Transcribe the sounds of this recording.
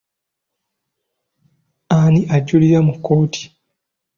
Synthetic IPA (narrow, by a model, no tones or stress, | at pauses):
aniʔaɟːuliɾamukːo̞ːtʰi̥